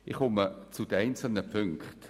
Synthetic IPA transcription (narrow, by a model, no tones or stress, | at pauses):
ɪχχʊmət͡sʊd̥əɛɪnt͡sl̩nəpʏŋkχt